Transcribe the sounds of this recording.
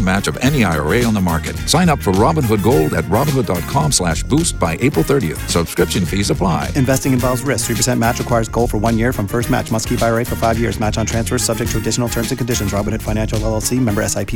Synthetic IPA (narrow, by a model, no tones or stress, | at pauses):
mæt͡ʃʌvɛ̃niaɪə̰˞eɪə̃nðəmɑɹkɨt̚sãɪ̃nʌpfə˞ɹɑbə̃nwʊd̚ɡoʊlˠdɨ̰t̚ɹɑbə̃n̩wʊdɑt̚kʰɑ̃mslæʃb̥ust̚b̥aɪʔeɪpɹl̩ˠθɜ˞ɾiɨ̰θsəb̥skɹɪpʃɨ̃nfizəpʰl̥aɪɨ̃ɱvɛstɪ̃ŋɨ̃nvɑlˠvzɹɪs̚θɹipʰə˞sɛ̃nmæt͡ʃɹɨkʰw̥aɪə˞zɡoʊlˠfə˞wʌ̃njɪɹfɹʌ̃ɱfɜ˞st̚mæ̰t͡ʃmʌstkʰipaɪəeɪfə˞faɪvjɪɹzmæt͡ʃn̩tʰɹ̥æ̃nsfə̥˞sʌb̚d͡ʒɛk̚tʰɹɨdɪʃn̩l̩ˠtʰɜ̃˞mzɨ̃kʰɨ̃ndɪʃɨ̃nzɹɑbə̃n̩ɨd̥fãɪ̃ñæ̃nʃl̩ˠɛl̩ˠsimɛ̃mbə˞ɛsaɪpʰi